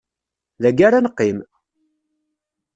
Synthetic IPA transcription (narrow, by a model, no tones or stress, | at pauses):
ðæɡaɾanəqːim